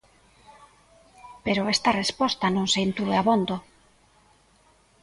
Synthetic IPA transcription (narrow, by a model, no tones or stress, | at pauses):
peɾʊest̪arespɔst̪anõŋseint̪uðeaβond̪o